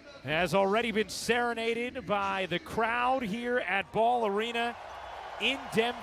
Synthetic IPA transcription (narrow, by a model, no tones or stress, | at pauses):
hɨzl̩ˠɹɛɾibɨ̃nsɛɹɨneɪɾɪd̚baɪðɨkʰɹ̥aʊd̚ɦiɹɨt̚b̥ɔlˠə˞ĩñɨ | ɪ̃ndɛ̃m